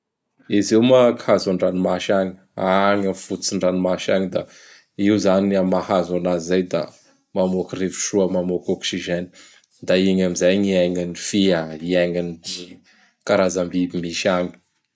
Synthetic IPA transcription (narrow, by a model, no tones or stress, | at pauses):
izewmakhazaɳɖ͡ʐanimaʃaɲi̥ | aŋəfut͡siɳɖ͡ʐanimaʃa̰ŋid̪a | iwzaniamahazanazizajd̪a̰ | mamokirevu̥ʃuəmamokɔksiʒɛni̥ | d̪aiɲamizajŋiɛŋinifiaiɛŋini | kaɾazambibimiʃaɲi̥